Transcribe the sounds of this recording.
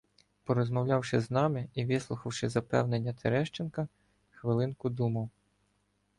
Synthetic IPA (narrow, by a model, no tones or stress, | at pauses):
pɔɾɔzmɔwlʲɑwʃɪznɑmɪiʋɪslˠʊxɐwʃɪzɐpɛ̰wnenʲːɐt̪ʰeɾɛʃt͡ʃenkɐ | xʋɪlˠɪnkʊd̪umɐw